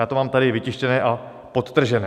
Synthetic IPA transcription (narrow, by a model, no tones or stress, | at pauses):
aːt̪omaːmt̪aɾɪvɪcɪʃcɛnɛːʔa | pot̪t̪r̩ʒɛnɛː